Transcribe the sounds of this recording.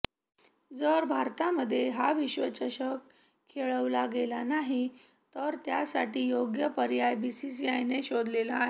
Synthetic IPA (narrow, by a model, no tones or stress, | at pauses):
d͡zəɾbʱaɾt̪aməd̪ʱːjeɦaʋiɕʋət͡ɕəɕək | kʰːeɭəʋlaɡelanaɦi | t̪əɾt̪jasa̰ʈiːjoɡjəpəɾjajbisis̬iajneɕod̪lelaːɦe